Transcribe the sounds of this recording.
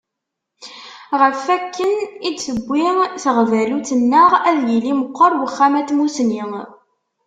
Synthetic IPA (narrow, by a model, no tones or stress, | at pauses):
ʁəfækːənid̪səbʷːiŋθəʁvælut͡sːənːəʁæðjiliməqːəɾˤwəχːæmæt̪musni